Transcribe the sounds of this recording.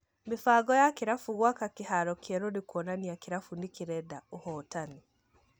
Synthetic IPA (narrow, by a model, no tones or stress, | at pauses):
mefaːɡɔjakeɾafuɣwakakehaɾɔkʰɛɾoɾekwɔnaniakeɾafunekeɾɛdaohɔːtani